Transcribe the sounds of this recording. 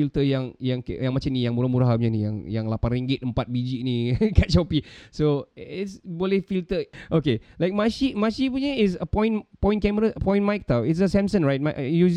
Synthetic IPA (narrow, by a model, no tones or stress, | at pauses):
ilt̪əjãŋjaŋkjãŋmat͡ʃamnijaŋmuɾahmuɾaɦɲənijaŋjaŋlapãnriŋɡɪt̪əmpat̪̚bid͡ʒinikaʔt͡ʃopisoɪtsbolehfilt̪əʔokelajk̚maʃimaʃipuɲəis̬əpɔ̃jĩnpɔ̃j̃nkɛməɾaəpɔ̃jĩnmajk̚t̪awitsəsɛ̃msə̃nɹajt̚maʔjus